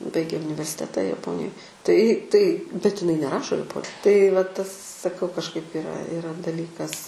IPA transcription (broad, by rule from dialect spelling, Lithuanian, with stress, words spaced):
ˈbɐɪɡʲeː ʊnʲɪʋʲɛrʲsʲɪˈtʲæːtɐ jɛˈpoːnʲɪjoːj tɐɪ tɐɪ bʲɛt ɪˈnɐɪ nʲɛˈrɑːʃoː jɛˈpoː tɐɪ ʋɐ ˈtɐs sɐˈkɐʊ kɐʃˈkɐɪp ɪˈrɐ ɪˈrɐ dɐˈlʲiːkɐs